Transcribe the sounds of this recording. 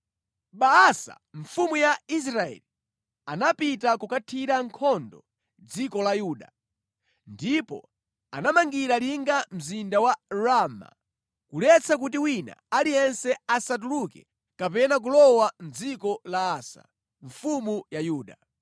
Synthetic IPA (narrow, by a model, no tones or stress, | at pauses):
ɓaːsa̰ | ɱfumujais̬ɾaɛ̰li | anapitakukatʰiɾaŋkʰɔndɔ | d͡zikɔlajuːɗa | ndipɔ̰ | a̰namaŋɡiɾaliŋɡam̩zindawaɾama̰ | kulɛt͡sak̬ut̬iwina̰alijɛnsɛasat̬ulukɛ̰ | kapɛnak̬ulɔwan̩d͡zikɔlaːsa̰ | ɱfumujajuːɗa